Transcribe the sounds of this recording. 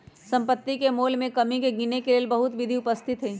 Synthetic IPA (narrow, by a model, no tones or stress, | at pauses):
sɐ̃mpət̪ːikemoːlmẽkɐmikeɡiːnekeleːlbɐɦʊt̪ʋɪd̪ʱiʊpəst̪ʰɪt̪ɦɛː